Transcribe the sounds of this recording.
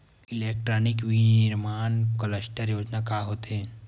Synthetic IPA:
ɪleːk̚ʈɾɔːnɪkʋinɪɾmaːnkoləsʈəɾjoːd͡ʒnakaːɦoːt̪eɦɛ̃

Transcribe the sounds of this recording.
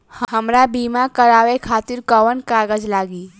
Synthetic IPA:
hɦəmɾabiːmakəɾaːʋekʰaːt̪ɪɾkəʋənkaːɡəd͡ʒlaːɡiː

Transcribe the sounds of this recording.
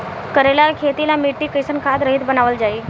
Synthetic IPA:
kəɾelaɾkʰet̪ilamiʈːiːkəjsənkʰad̪ɾəɦit̪bənaʋəld͡zaiː

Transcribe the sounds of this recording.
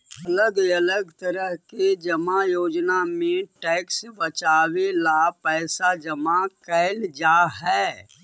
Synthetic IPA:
ɐləɡələɡt̪əɾəɦked͡ʒɐmajoːd͡ʒnamẽʈɛːksbət͡ʃaːwelapɛːsad͡ʒɐmakɛːld͡ʒaːɦɛː

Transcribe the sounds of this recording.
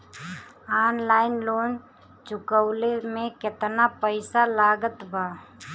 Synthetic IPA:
aːnlaːɪnloːn | t͡ʃʊkəʊlemẽkɪt̪napəɪsalaːɡət̪bʱaː

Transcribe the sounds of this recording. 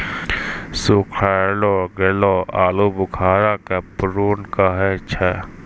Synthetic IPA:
sukʰaːlɔɡelɔaːlobʊkʰaːɾakapɾoːnkaɦɛt͡ʃʰɛ

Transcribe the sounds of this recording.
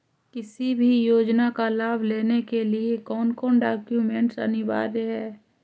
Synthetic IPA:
kɪsibʱijoːd͡ʒnakalaːbʱleːnekeliekɔːnkɔːɳɖaːkjumẽɳʈsə̰nɪʋa̰ːɾɦɛː

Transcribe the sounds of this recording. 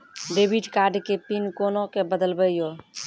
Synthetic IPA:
ɖebʱiʈkaɾɖkepinkonokebəd̪əlbəjo

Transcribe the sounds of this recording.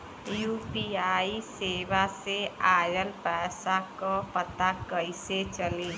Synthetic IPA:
juːpiaːiseːʋaseaːjəlpɛːsakɔpət̪akəɪset͡ʃəli

